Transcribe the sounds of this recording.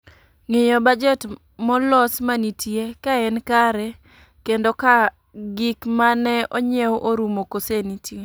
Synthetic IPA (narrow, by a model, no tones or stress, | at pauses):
ŋejɔbad͡ʒɛt | mɔlɔsmanitjekaɛnkaɾɛ | kendoka | ɡikmanɛoɲewʔoɾumokosenitje